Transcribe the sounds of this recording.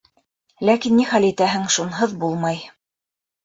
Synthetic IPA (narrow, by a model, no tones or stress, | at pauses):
lækinːiχælit̪æɦɘŋʃunɦɤðbulˠmɑj